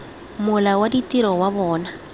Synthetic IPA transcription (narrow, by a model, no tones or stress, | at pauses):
mʊlawaditʼiɾɔwabɔːna